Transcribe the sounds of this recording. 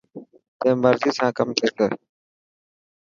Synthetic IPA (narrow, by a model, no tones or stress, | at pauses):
t̪ẽːməɾziːsãːkəmt̪ʰeːt̪əː